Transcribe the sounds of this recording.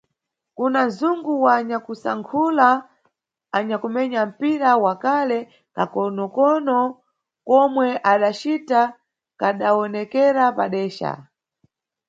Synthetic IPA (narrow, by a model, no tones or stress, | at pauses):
kunazuŋɡuwaːɲakusa̰ŋkʰulaː | ɲakumɛɲam̩piɾawakalɛ | kakɔnɔkɔnɔ | kɔmwɛʔaɗat͡ʃita | kaɗaɔnɛkɛɾapaɗɛːʃa̰